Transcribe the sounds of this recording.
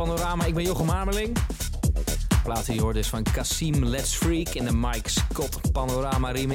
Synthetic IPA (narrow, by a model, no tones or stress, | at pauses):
anoɾaːmaɪɡ̚bɛnjoχəmaɹməlɪŋ | plaːtəɔɹdɪsfɑnkasimlɛtsfɹikɛndəmajkskɔtpanoɾaːmaɾim